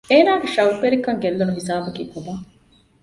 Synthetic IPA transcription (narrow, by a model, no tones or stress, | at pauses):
eːnaːɡeʃɐupːeɾikːɐŋɡelːunuɦisaːbɐkikob̪a